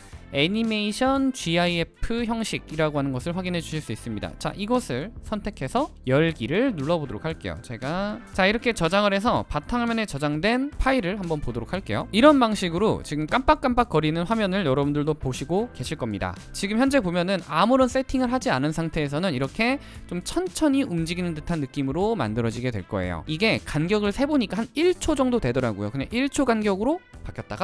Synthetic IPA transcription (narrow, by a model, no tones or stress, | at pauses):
e̞ɲime̞iɕʰʌnt͡ɕiaie̞pʰɯçjʌŋɕʰiɡiɾaɡoɦanɯnɡʌsʰɯɭɸwaɡinɦe̞d͡ʑuɕʰiɭs͈uis͈ɯmɲida̰t͡ɕa̰ʔiɡʌsʰɯɭsʰʌntʰe̞kʰe̞sʰʌ | jʌɭɡiɾɯɭnuɭːʌbodoɾokʰaɭk͈e̞̰jo̰t͡ɕe̞ɡat͡ɕaiɾʌkʰe̞t͡ɕʌd͡ʑaŋɯɾɦe̞sʰʌpatʰaŋamjʌne̞t͡ɕʌd͡ʑaŋdwe̞npʰaiɾɯɭhambʌnpodoɾokʰaɭk͈e̞joiɾʌnbaŋɕʰiɡɯɾot͡ɕiɡɯmk͈amp͈ak͈̚amp͈ak͈ʌɾinɯnɸwamjʌnɯɭjʌɾʌbundɯɭdopoɕʰiɡoke̞ɕʰiɭk͈ʌmɲida̰ | t͡ɕiɡɯmçjʌnd͡ʑe̞bomjʌnɯnamuɾʌns͈e̞tʰiŋɯɭɦad͡ʑianɯnsʰaŋtʰe̞ːs̬ʰʌnɯniɾʌkʰe̞ | t͡ɕomt͡ɕʰʌnt͡ɕʰʌɲiʔumd͡ʑiɡinɯntɯtʰanːɯk͈imɯɾoma̰ndɯɾʌd͡ʑiɡe̞dweɭk͈ʌe̞̰jo̰iɡe̞kanɡjʌɡɯɭsʰe̞boɲik͈aɦaniɭt͡ɕʰod͡ʑʌŋdodwe̞dʌɾaɡo̰jo̰kɯɲa̰ŋʔiɭt͡ɕʰoɡanɡjʌɡɯɾopakʰjʌt̚t͈a̰ɡa